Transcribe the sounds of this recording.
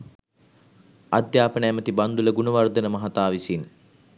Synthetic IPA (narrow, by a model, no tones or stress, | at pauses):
ad̪jaːpənəæmət̪iband̪uləɡunuʋard̪ənəmɐɦat̪aːʋisin